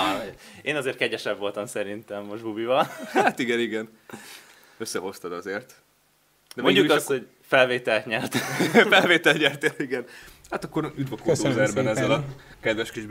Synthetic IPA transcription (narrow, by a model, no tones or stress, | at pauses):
eːnɒzeːrt̪̚kɛɟɛʃɛbʋo̞lt̪ɒmsɛɾint̪ɛmːo̞ʒbubivɒlhat̪iɡɛniɡɛn | øsːɛɦo̞st̪ɒd̪ɒzeːrt̪ | d̪ɛmoɲɟukɒsho̞ɟ | fɛlveːt̪ɛlt̪ɲɛrt̪fɛlveːt̪ɛlt̪ɲɛrt̪eliɡɛnhat̪ɒkːo̞ɾyd̪bɒkot̪oːzɛrbɛnɛzːɛlɒkɛd̪vɛʃkid͡ʒ